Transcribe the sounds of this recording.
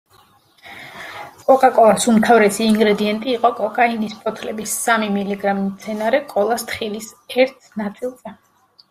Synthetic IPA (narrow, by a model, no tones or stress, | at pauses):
kʼɔkʼakʼɔlˠasumt̪ʰavɾɛsiːŋɡɾɛd̪iɛnt̪ʼiːqʼɔkʼɔkʼainispʰɔt̪ʰlɛbisːamimiliɡɾamimt̪sʰɛnaɾɛkʼɔlˠast̪ʰχilisɛɾt̪ʰnat̪sʼilˠzɛ